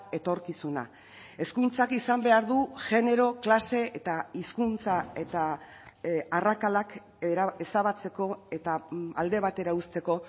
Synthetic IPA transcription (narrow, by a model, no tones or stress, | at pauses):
e̞t̪o̞ɾkisuna̰ | e̞skunt͡sakisambe̞aɾðuʝe̞ne̞ɾo̞klase̞et̪aiskunt͡sae̞t̪a | arakalak | ɾesaβat͡se̞ko̞e̞t̪aald̪e̞β̞at̪e̞ɾaust̪e̞ko̞